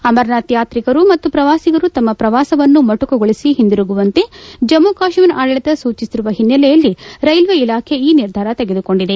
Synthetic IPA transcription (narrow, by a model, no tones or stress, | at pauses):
ɐmɐɾnaːt̪jaːt̪ɾikɐɾumɐt̪ːupɾɐʋaːsiɡɐɾut̪ɐmːɐpɾɐʋaːsɐʋɐnːumɐʈukɐɡoɭisiɦind̪iɾuɡuʋɐnt̪e̞d͡ʒɐmːukaːʃmɐnaːɽɐɭit̪ɐsuːt͡ʃisiɾuʋɐɦinːɐlɛjɐlːiɾɐjlʋeilaːkʰe̞iːniɾd̪ʱaːɾɐt̪eɡe̞d̪uko̞ɳɖid̪e̞